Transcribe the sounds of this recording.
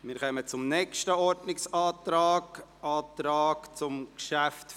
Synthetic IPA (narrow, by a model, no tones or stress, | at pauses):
mɪːɾkœmət͡sʊmnɛkʃtəɔɾdnɪksɑːt̪ɾaːɡɑːt̪ɾaːkt͡sʊmkʃæft